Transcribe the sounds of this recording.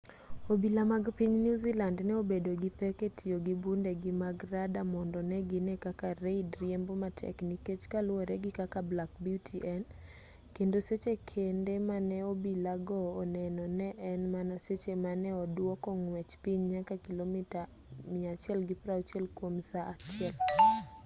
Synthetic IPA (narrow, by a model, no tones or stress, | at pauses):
obilamaɡpiɲnjuzilandnɛobedoɡipɛketʰioɡibundeɡɪmaɡɾadamɔndɔnɛɡɪnɛkakaɾeidɾjɛmbomatʰɛ̰kniket͡ʃkalwoɾɛɡɪkakablakbiutʰiʔɛn | kendoset͡ʃekʰendemanɛobilaɡɔːnɛnɔnɛʔɛnmanaset͡ʃemanɛɔdwɔkɔŋwɛt͡ʃpiɲɲakakilomita | mɪat͡ʃjɛlɡɪpɾawt͡ʃɛlkwomsaʔat͡ʃɪɛl